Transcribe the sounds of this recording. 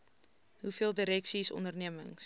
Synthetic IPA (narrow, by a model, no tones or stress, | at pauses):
ɦufiəlˠdəɾɛksisɔ̰ndərniəməŋs